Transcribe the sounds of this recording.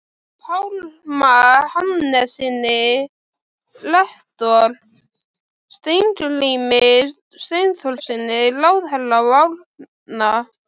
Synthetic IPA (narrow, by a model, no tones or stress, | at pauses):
pʰawlmahamnɛsɪnːɪ | lɛht̪ɔl | st̪ejnt̪ʏliːmɪ | st̪ejnθɔlsɪnːɪlaːwðɦɛlːavawl | na